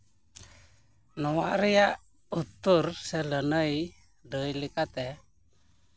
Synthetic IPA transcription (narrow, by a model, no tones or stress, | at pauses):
nuwaʔɾijaʔ | ut̪ursɛlənəi | dəilikat̪ɛ